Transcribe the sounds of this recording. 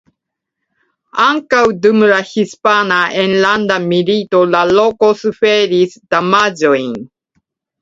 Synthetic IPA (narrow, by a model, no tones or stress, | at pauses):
aŋkawdumɾahispanaʔenlandamilito̞lalo̞ko̞sufeɾisd̥amad͡ʒo̞jn